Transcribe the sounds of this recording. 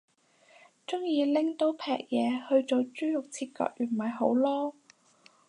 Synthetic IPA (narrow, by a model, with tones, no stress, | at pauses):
t͡sʊ˥ŋjiː˨˧lɪ˥ŋt̪o˨˥wpʰɛ̰ː˨k̚jɛː˨˧hɵ˧ɥt͡so˨˧wt͡ʃyː˥jʊ˨k̚t͡sʰiː˧t̚kœ̰ː˧k̚ʔyː˨˩nmɐ˨jɦo˨˥wlɔː˥